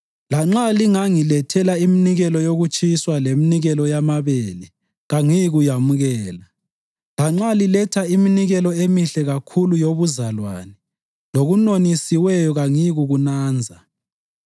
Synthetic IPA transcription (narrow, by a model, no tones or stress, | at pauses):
laŋ͡ǁaliŋaŋilɛtʰɛlaiminiɣɛlɔjoɣut͡ʃʼiswaleminiɣɛlɔjamaβeli | ɣaŋiɣujamuɣɛːla | laŋ͡ǁalilɛtʰaiminiɣɛlɔemiɬɛɣakʰulujoβuzalwa̰ːnɛ | loɣunonisiwɛjɔɣaŋiɣuɣunaːnd͡zʱa